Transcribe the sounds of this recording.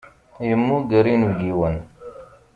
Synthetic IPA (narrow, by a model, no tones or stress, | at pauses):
jəmːuɡəɾinuɡiwən